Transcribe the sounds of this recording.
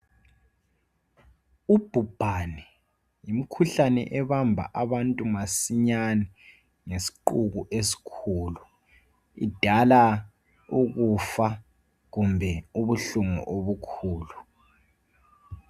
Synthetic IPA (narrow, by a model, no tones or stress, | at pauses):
ub̥ʱub̥ʱanɛ | jimikʰuɬanɛ̰ʔɛβambʱa̰ʔaβantʼumasiɲanɛ | ŋesi̥ǃuɣuʔesi̥kʰuːlu | ḭd̥ʱala | uɣufa | ɣumbʱɛuβuɬuŋṵʔoβukʰuːlu